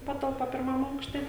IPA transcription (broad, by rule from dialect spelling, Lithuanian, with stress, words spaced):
ˈpɑːtɐlˠpɐ pʲɪrˈmɐm ˈɐʊkʃʲtʲɛ